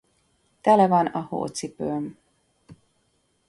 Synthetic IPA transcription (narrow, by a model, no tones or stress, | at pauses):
t̪ɛlɛvɒnɒho̰ːt̪sipøːm